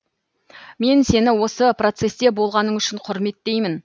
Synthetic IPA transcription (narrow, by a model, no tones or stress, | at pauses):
me̞nse̞nɪwo̞səpro̞t̪se̞st̪e̞bo̞lˠʁɑnəŋʏʃɪɴqʰʊɾme̞t̪ːe̞jmɪn